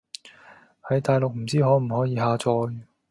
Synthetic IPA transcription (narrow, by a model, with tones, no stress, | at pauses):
hɐ˨˥jt̪aː˨jlʊ˨k̚m̩˨˩t͡siː˥ɦɔː˨˥m̩˨˩hɔː˨˥jiː˨˧ɦaː˧t͡sɔː˧j